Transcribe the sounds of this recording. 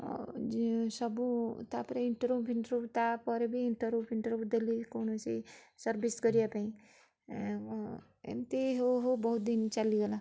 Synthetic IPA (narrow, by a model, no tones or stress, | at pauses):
d͡ʒsəbũt̪apɾeɪɳʈəɾopiɳʈəɾupt̪apɔɾebʱiːɳʈəɾupʰiɳʈəɾopd̪elikoːnosḭsəɾbiskəɾijapaĩ | ḛmt̪eɦoɦobəɦut̪̚d̪int͡ʃaliɡela